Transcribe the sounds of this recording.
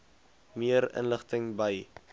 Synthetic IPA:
miəɾə̰nləχtəŋbəj

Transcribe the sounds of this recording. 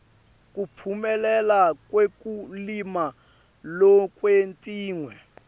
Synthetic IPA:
k̬ʼupʰumɛlɛlakwekʼulima | lɔkʼwentʼiːŋwɛ

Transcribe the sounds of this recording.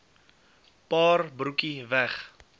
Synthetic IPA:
pɑːrbrukivæχ

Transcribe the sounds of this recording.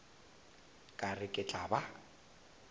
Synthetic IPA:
kʼarɪkʼɪt͡ɬʼaba

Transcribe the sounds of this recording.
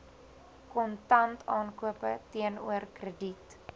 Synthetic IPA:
kɔntɐntɑːnkuəpətiənuərkrədit

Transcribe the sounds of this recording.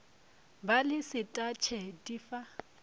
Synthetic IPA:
balɪsɪtʼat͡ʃʰɛtʼifa

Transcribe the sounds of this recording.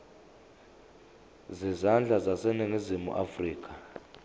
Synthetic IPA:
zizand͡ɮʱazasɛniŋizimṵʔafriːk̬ʼḁ

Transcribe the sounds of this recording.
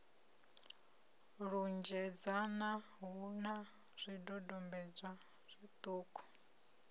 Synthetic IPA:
ɺund͡ʒɛd͡zana | ɦuna | z̥ʷidɔdɔmbɛd͡zʷa | z̥ʷit̪ʼuːkʼɔ̥

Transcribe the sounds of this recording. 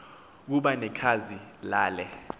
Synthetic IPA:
k̬uɓanɛkʰazilaːlɛ

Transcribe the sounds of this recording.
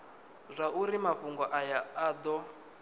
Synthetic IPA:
zʷauɾimaɸuŋɡɔʔajaad̪ɔ

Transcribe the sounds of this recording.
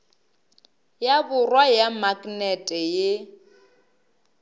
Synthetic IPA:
jabʊrwajamakʼnɛtʼɛje

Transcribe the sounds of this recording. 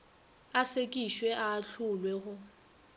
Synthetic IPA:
asekʼiʃwɛʔaːɬʰʊlwɛɣʊ

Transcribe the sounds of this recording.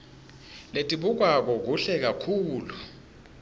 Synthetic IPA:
letʼiɓuk̬wak̬ɔk̬uɬɛk̬akʰuːlu

